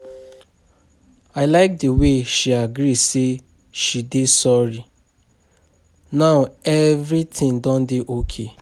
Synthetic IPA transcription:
aɪlaɪk̚dəweʃiaɡɾise | ʃidesɔɹi | naʊɛvɹitʰɪ̃ŋdɔ̃ndeʔokʰe

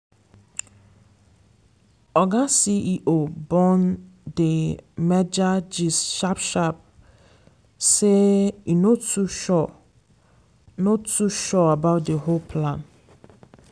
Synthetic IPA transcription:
ɔɡãsiʔiʔobɔ̃ndemɛd͡ʒad͡ʒisʃapʃap̚ | sɛinõtʰuʃɔ | nõtʰuʃɔabaʊt̚dehopʰlãn

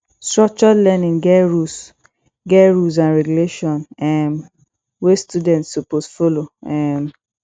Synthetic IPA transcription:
stɹɔk̚t͡ʃɔlɛnĩŋɡɛɹus | ɡɛɹus̬ãnɹɛɡuleʃɔ̃nɛm | westudɛ̃ntsopostfoloɛm

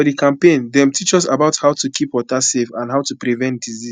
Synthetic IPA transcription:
ɔdikãmpẽnðɛ̃mtʰit͡ʃɔsabaʊthaʊtukʰipɔtasefãnɦaʊtupɹivɛ̃ntdizi

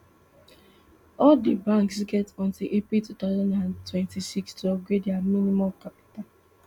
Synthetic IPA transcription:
ɔldibãŋksɡɛtɔ̃ntilʔepitutaʊzɔ̃ndãntwɛ̃ntisikstuɔɡwedeaminimamkapi̥tal

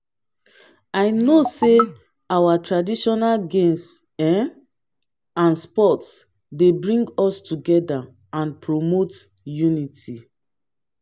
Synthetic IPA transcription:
aɪnose | awatɹadiʃɔnalɡẽms | ɛ | ãnspɔts | debɹĩŋɡɔstuɡɛda | ãnpɹomot | juniti

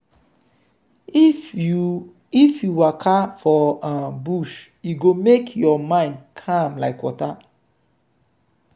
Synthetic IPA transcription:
ifjuwakʰafɔãbuʃjuɡomekʰjɔmãɪ̃ndkʰãmlaɪkwɔ̰ta

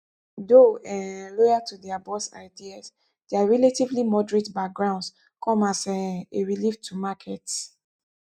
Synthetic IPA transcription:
doɛlɔjatʰudɛabɔsa̰ɪdias | deaɹɛletivlimɔdɹetbak̚ɡɹãʊ̃nds | kʰɔ̃masɛeɹiliftʰumakʰɛt

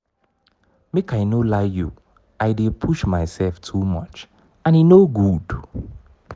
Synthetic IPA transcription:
mekaɪnolaɪjṵ | aɪdepʰuʃmaɪsɛlftʰumʌt͡ʃ | ãninoɡud

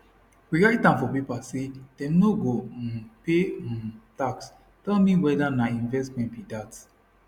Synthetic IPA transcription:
wiɹaɪtːãmfɔpipased̥ɛ̃mnoɡopetaks | tɛlmiwɛdanaĩnvɛstmɛ̃ntbidat

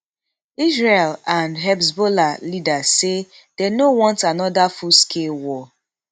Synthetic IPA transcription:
isɹelãnɦɛbsbolalidase | dɛnowɔ̃ntanɔdafuskʰelwɔ

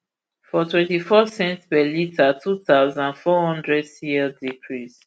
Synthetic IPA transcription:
fɔtʰwɛ̃ntifɔsɛ̃ntspɛlitʰatʰutaʊzãnfɔhɔ̃ndɹɛdsiɛdikʰɹis

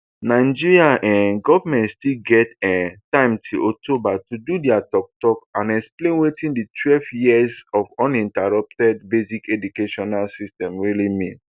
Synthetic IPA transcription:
naɪd͡ʒiɹiãʔɛ̃nɡɔvamɛ̃ntstilɡɛtɛtãɪ̃mtʰuʔɔk̚tobatududiatɔk̚tɔkãnɛksplẽnwetĩnditwɛlvjiɛzɔvɔ̃nĩntaɹɔp̚tɛdbezikɛdukeʃɔnalsistɛ̃mɹilimĩn

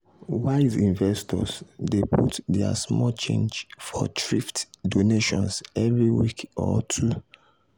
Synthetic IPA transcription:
waɪzĩnvɛstʰɔ̰sdeputdɛa̰smɔlt͡ʃḛ̃nd͡ʒfɔ̰tɹiftdoneʃɔ̃nsɛvɹiwikɔ̰tʰu

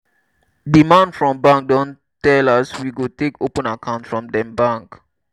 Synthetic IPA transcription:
dimãndfɹɔ̃mbãŋk̚dõn | tɛlaswiɡotekopə̃nakʰãʊ̃ntfɹɔ̃mdɛ̃mbãŋk

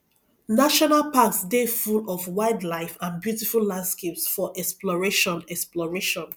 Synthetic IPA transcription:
naʃɔnalpaksdefulɔvwaɪdlaɪfãnbjutifullãndskepsfɔʔɛksplɔɹeʃɔ̃nɛksplɔɹeʃɔ̃n

